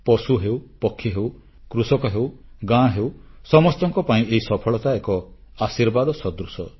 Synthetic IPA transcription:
pɔsuɦewpɔkʰːiɦew | kɾusɔkɔɦewɡãɦewsɔmɔst̪ɔŋkɔpaĩʔeɦisɔpʰɔɭɔt̪aekɔ | asiɾbad̪ɔsɔd̪ɾusɔ

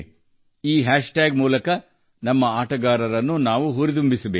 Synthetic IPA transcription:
iːɦaːʂʈaːɡmuːlɐkɐ | nɐmːɐaːʈɐɡaːɾɐɾɐnːunaːʋuɦuɾit̪̬umbisɐbeː

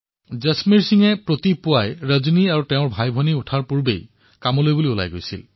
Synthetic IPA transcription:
zesmiɹsiŋɛpɹot̪ipʊajɹəzuniaɹutɛʊ̃ɹbʱajbʱɔniʊtʰaɹpuɹbḛj | kamɔlojbuliʊla̰jɡojsḭl

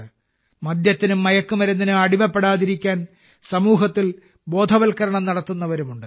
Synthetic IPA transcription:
mɐd̪jɐt̪ːinumːɐjɐkːumɐɾunːinɨɐɽimɐpːe̞ɽaːðiɾikʲːaːn | sɐmuːɦɐt̪ːil | bo̞ːd̪ʱɐʋɐlkɐɾɐɳɐmnɐɽɐt̪ːunːɐʋɐɾumuɳɖɨ

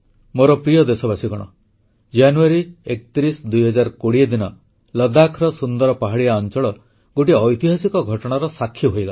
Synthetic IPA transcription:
moɾɔpɾijɔd̪esɔbasikɔɽ̃ɔ̰ | d͡ʒanuaɾiekɔt̪iɾisd̪ujɦɔd͡ʒaɾkoɽiad̪inɔ | lɔd̪akʰɾɔsund̪ɔɾɔpaɦaɽiaɔnt͡ʃɔɭɔ | ɡoʈiɔjt̪iɦasikɔɡʱɔʈɔɽ̃aɾɔsakʰːjɔɦojɡa

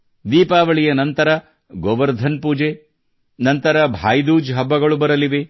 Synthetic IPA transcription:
d̪iːpaːʋɐɭijɐnɐnt̪ɐɾɐ | ɡoʋɐɾd̪ʱɐnpuːd͡ʒe | nɐnt̪ɐɾɐbʱaːjd̪uːd͡ʒɦɐbːɐɡɐɭubɐɾɐliʋe

